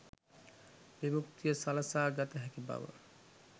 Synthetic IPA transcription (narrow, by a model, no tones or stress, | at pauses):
bimukt̪ijəsalasaːɡat̪ɐɦɛkiba̰ʋə̰